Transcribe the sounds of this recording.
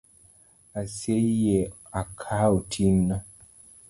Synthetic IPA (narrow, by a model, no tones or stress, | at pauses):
aseje | akʰaotʰinna